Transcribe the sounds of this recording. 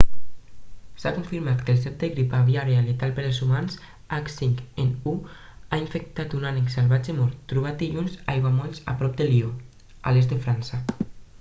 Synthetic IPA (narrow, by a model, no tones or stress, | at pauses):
sakuɱfiɾmat̪kels̬ɛp̚d̪eɣɾipaβjaɾealet̪alpeɾelzumans | aksiŋkenu | aiɱfek̚t̪at̪unaneksalβad͡ʒemɔɾt̪ːɾuβ̞at̪̚d̪iʎunzajɣwamɔlsa̰pɾɔp̚d̪elio | a̰lezt̪d̪efɾansa